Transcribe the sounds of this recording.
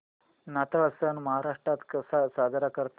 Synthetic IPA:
nat̪aɐsənməɦaɾaʂʈɾat̪kəsasad̪ʱəɾakəɾt̪

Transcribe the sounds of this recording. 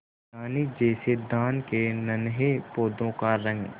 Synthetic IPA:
aːnid͡ʒɛːsed̪aːnkenɐnɦepoːd̪õkaɾɐ̃ŋɡ

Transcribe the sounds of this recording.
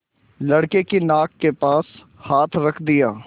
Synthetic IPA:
ləɽkeːkinaːkːepaːs | haːt̪ʰɾəkʰd̪ɪjaː

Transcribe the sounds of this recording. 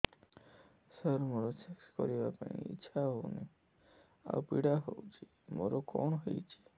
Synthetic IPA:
səɾmoɾot͡ʃʰekskɔɾibapãĩḭtːʃʰaɦowne | a̰upiɽaɦowt͡ʃʰi | moɾokoɳɦɔjt͡ʃʰi̥

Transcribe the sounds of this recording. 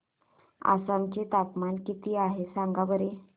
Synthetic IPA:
a̰samt͡ɕet̪apmankit̪iːaɦesãŋɡabəɾe

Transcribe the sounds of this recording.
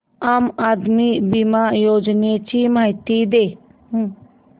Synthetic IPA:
aːmaːd̪mibimaːjoːd͡ʒnet͡ʃimat̪id̪eː

